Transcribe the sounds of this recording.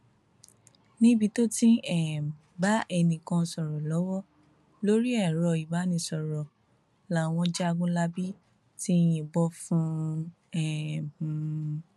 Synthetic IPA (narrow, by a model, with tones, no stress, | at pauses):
nĩ˦bi˧to˦tĩ˦ɛ˦˨ | ba˨˦ʔɛ˧nĩ˨kã˧sɔ˨ɾɔ˨lɔ˨˦wɔ˦ | lo˦ɾi˦ɛ˦˨ɾɔ˧i˨ba˨˦nĩ˧sɔ˨ɾɔ˨ | la˨˦w̃ɔ̃˧d͡ʒa˦a˧ɡũ˦la˦bi˦ | ti˦jĩ˧˨bɔ˧˦fũ˦ | ɛ̃˨